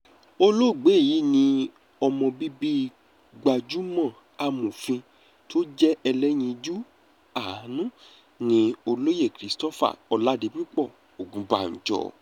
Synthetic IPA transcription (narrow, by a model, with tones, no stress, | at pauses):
o˧lo˦˨ɡ͡be˨˦˨ji˨˦nĩ˧ | ɔ˧mɔ̃˧bi˦bi˦ | ɡ͡ba˨d͡ʒu˨˦mɔ̃˦˨ | a˧mũ˨fĩ˧ | to˦d͡ʒɛ˦ɛ˧lɛ˦j̃ĩ˧d͡ʒu˦ | a˦˨˦nũ˦ | nĩ˧o˧lo˦je˦˨kɾi˨˦stɔ˦fa̰˨ɔ˧la˨˦de˨˧˦mĩ˦k͡pɔ˦˨ | o˨ɡũ˨˦ba˨ñ̩˨d͡ʒɔ̰˨